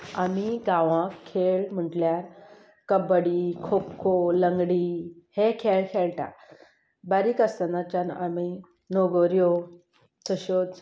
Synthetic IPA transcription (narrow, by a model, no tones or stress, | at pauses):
amiɡãʋãkʰːeɭm̤əʈljaɾ | kəbəɽikʰopkʰːoləŋɡɽihekʰeɭkʰeɭʈa̰ | baɾikəst̪ənat͡ɕana̰mi | noɡoɾjo | t̪əɕot͡s